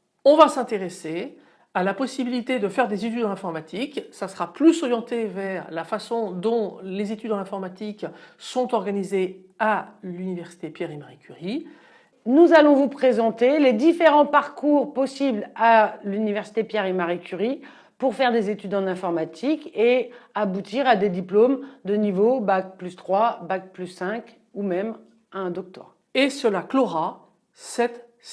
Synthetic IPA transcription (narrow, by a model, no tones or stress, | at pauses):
ɔ̃vasɛ̃t̪eʁese | alapɔsibilit̪ed̪əfɛʁd̪ezet̪yd̪ɑ̃ɛ̃fɔʁmat̪ʰiksasəʁaplysɔʁjɑ̃t̪evɛʁlafasɔ̃d̪ɔ̃lezet̪yd̪ɑ̃lɛ̃fɔʁmat̪iksɔ̃t̪ɔʁɡanize | alynivɛʁsi̥t̪epjɛʁemaʁekʲyʁi | nuzalɔ̃vupχezɑ̃t̪eled̪ifeʁɑ̃paʁkuʁpɔsiblalynivɛʁsi̥t̪epjɛʁemaʁikʲyʁi | puʁfɛʁd̪ezet̪yd̪ɑ̃nɛ̃fɔʁmat̪ʰikeabut̪iʁad̪ed̪iplomd̪ənivobak̚plyst̪χwabak̚plysːɛ̃k | umɛm | aɛ̃d̪ɔk̚t̪wɔ̰ʁ | esəlakloʁa | sɛt̪